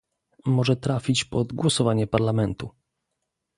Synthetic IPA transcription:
mɔʐɛt̪ɾafʲit͡ɕpɔd̪ɡwɔsɔvaɲɛpaɾlamɛnt̪u

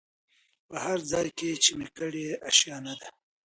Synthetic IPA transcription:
pəhaɾd͡zɑjket͡ʃemekəɽeaʃjɑnad̪a

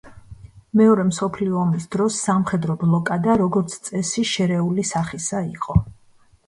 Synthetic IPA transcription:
mɛɔɾɛmsɔpʰliɔːmisd̪ɾɔsːamχɛd̪ɾɔblˠɔkʼad̪aɾɔɡɔɾt̪sʰt̪sʼɛsiʃɛɾɛulisaχisaiqʼɔ

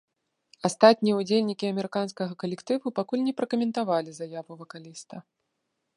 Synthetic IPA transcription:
ast̪at̪ʲnʲijɛud͡zʲelʲnʲikʲiɐmʲɛɾɨkanskɐɣɐkɐlʲɛkt̪ɨvupakulʲnʲɛpɾɐkɐmʲɛnt̪avalʲizajavuvɐkalʲist̪ɐ

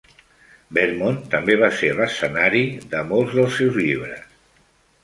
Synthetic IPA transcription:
bɛɾmont̪əmbeβ̞aseləsənaɾiðəmolˠzðəlˠsːewzʎiβ̞ɾəs

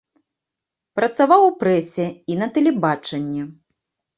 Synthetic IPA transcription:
pɾɐt̪savawwpɾɛsʲɛinɐt̪ɛlʲɛbat͡ʂɐnʲːɛ

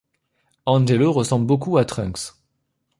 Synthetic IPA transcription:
ɑ̃ʒeloʁəsɑ̃blbokuat̪χœ̃ks

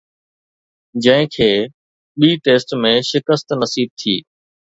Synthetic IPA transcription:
d͡ʑə̃ɦɪ̃kʰeː | ɓiːʈeːsʈmẽʃɪkəst̪nəsiːb̚t̪ʰiː

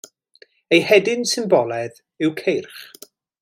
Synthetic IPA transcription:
ejhɛdɪnsɪnbɔlˠɛð | ɪwkʰejrχ

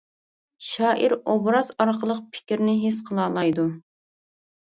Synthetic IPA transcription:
ʃɑːʔiɾobɾɑzɑɾqʰəlˠəq̚pʰɪ̥kʲiɾnɪɦesqʰəlˠɑːlˠɑjd̪u

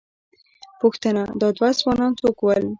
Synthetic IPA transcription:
puxt̪ənad̪ɑd̪wazwɑnɑnt͡sokwəl

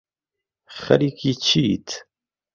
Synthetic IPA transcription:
χɐ̰ɾikit͡ʃʰiːt̪ʰ

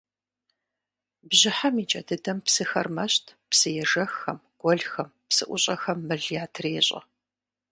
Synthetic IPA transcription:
bʑɪħamiːt͡ʃʼɐdɨdɐmpsɨxɐ̰rmɐɕtʰpsɨjɛʒɐxːɐmɡ̥ʷɔɮxɐmpsɨʔʷʊɕʼɐxɐmːɨɮjaːtʰreːɕʼɐ̰

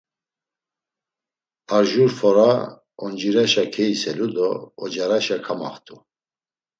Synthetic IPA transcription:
aɾʒuɾfɔɾa | ɔnd͡ʒiɾaʃakʰɛisɛlud̪ɔɔd͡ʒaɾaʃakʰama̰χt̪ʼu

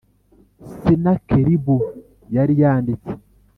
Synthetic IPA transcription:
sinakeɾibu | jaɾijaːndit͡se̥

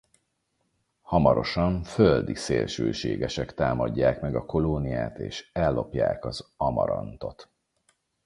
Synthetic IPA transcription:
hɒmɒɾo̞ʃɒɱføld̪iseːlʃøːʃeːɡɛʃɛkt̪aːmɒɟːaːkmɛɡɒko̞loːnijaːt̪eːʃɛlːo̞pjaːkɒzɒmɒ̰ɾɒnt̪o̞t̪

